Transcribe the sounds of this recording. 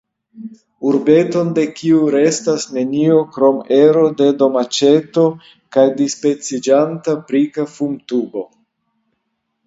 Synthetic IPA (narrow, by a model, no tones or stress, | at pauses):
uɾbe̞to̞nde̞kʰiuɾe̞stasne̞nio̞kɾo̞meɾo̞de̞do̞mat͡ʃe̞to̞ | kajdispet͡sid͡ʒantapɾikafumtubo̞